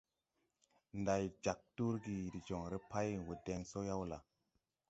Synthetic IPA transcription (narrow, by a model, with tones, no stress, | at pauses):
nda˨jd͡ʒa˨k̚tu˦ɾɡi˨di˨d͡ʒo˨ŋɾe˦pa˦jwu˨de˧ŋso˦ja˦wla˨